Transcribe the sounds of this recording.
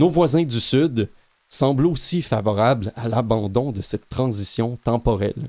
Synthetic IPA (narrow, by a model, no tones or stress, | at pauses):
novwazɛ̃d̪ysyd̪ | sɑ̃ːblosifavɔʁablalabɑ̃d̪ɔ̃d̪əsɛt̪ːʁɑ̃zisjɔ̃t̪ɑ̃pɔʁɛ̰l